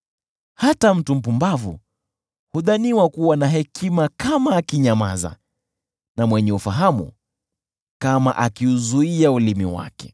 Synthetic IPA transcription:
hatam̩tum̩p̬umbavṵ | huðaniwakuwanaɦɛkʰimakamaːkiɲamaza̰ | namwɛɲɛufaɦamṵ | kama̰ʔakiuzuiaulimiwa̰kɛ̥

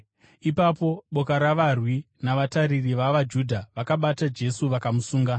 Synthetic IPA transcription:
ipapo̞ɓo̞kaɾaʋarwi | naʋataɾiriʋaʋad͡ʒudʱaʋakaɓatad͡ʒe̞suʋakamusuːŋɡa

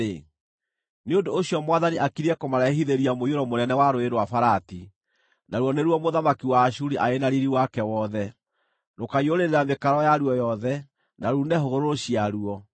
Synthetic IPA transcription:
e | neondoːɕiɔmwaðaniʔakiɾɛkomaɾaɦiðeɾiamoioɾɔmonɛnɛwaɾoeɾwafaɾati | naɾwɔneɾwɔmoðamakiwaːʃuɾiʔaenaɾiɾiwakɛwɔðɛ | nokaioɾeɾeɾamekaɾɔjaɾuɔjɔðɛ | naɾunɛɦoɣoɾoɾoɕiaɾuɔ

